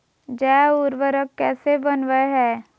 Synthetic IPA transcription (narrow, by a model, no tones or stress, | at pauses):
d͡ʒɛːʊɾʋəɾəkːɛːsebənʋəɦɛː